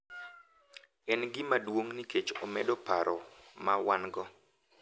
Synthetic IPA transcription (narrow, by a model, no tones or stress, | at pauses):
ɛnɡɪmadwoŋniket͡ʃɔmɛdɔpaɾɔmawanɡɔ